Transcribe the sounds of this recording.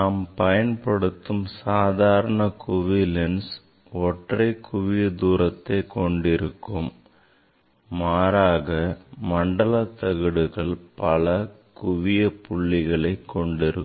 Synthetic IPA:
naːmpɐjɐnpɐɽɯt̪ːɯmsaːðaːɾɐɳɐkʊʋɪlɪns | ɔʈrɐɪkːʊʋɪjɐd̪uːɾɐt̪ːɐkɔɳɖɪɾɯkːɯm | aːɾaːɣɐmɐɳɖɐɭɐt̪ːɐɣɯɽɯɣɐɭpɐlɐ | kʊʋɪjɐpːʊɭːɪɣɐɭɐɪkːɔɳɖɪɾɯ

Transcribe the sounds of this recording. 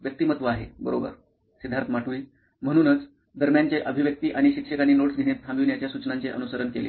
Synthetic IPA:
ʋjək̚t̪iːmət̪ʋəaɦebəɾobə̰ɾ | sid̪ʱːaɾət̪maʈʰuʋiː | m̤əɽ̃uːnət͡s | d̪əɾmjant͡ɕeʔəbʱiʋjək̚t̪iːʔaɽ̃iɕikʂəkaniːnoʈsɡʱenet̪sʰãmbiʋnjat͡ɕjasut͡ɕnant͡seʔə̰nusəɾənkelḛː

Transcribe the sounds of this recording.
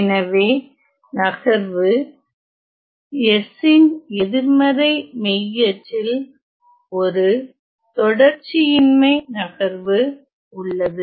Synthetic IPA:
nɐʋeː | nɐɣɐɾʋɯ | ɛsɪnɛðɪɾmɐɾɐɪmɛjːɐt͡ʃːɪl | ɔɾɯ | t̪ɔɽɐɾt͡ʃːɪjɪnmɐɪnɐɣɐɾʋɯ | ʊɭːɐðɯ

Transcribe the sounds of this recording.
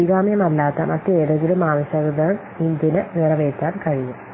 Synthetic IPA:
iɣaːmjɐmɐlːaːt̪ːɐmɐt̪ːɨeːðɐɣiɾumaːʋɐɕɐɣɐd̪ɐɳ | ind̪jɐnɨnirɐʋeːtːaːnkɐɻijum

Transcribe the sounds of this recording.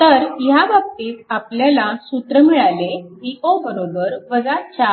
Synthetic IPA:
t̪əɾjabab̚t̪iːt̪̚apljalasut̪ɾəmiɭaleɦikobəɾobəɾʋəd͡zat͡ɕa

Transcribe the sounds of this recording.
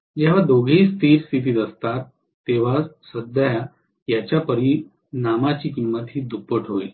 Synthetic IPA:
d͡ʑeʋ̤ad̪oɡʱiːst̪ʰiːɾst̪ʰit̪̬iːt̪əst̪at̪ː | eʋ̤asəd̪əja | jat͡ɕjapəɾiː | namat͡ɕiːkimːət̪ɦiːd̪ʱupːəʈɦoi

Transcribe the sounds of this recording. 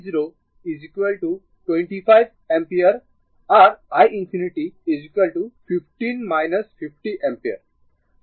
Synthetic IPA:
ziɾo | izikʋəlʈu | ʈwẽɳʈifajʋ | ẽmpiəɾ | aɾajʔĩnfʰiniʈiːzikʋəlʈufifʈĩːnmajnəsfifʈiʔẽmpiə̰ɾ

